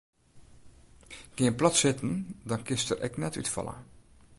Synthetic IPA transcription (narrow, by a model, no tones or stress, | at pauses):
ɡ̥ɪənplɔtsɪtən̩dɔnkɪstərʔɛ̰knɛtytfɔ̰lˠə̰